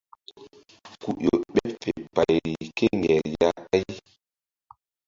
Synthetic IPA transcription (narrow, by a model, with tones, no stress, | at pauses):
ku˨ʔo˨ɓe˦pfe˨pa˨jɾi˨ke˦ŋɡɛ˨ɾja˦a˦j